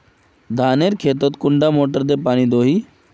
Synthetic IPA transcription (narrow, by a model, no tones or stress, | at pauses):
d̪ʱaːneɾkʰeːt̪ot̪kʊɳɖamoːʈəɾd̪epaːɽ̃id̪oːɦiː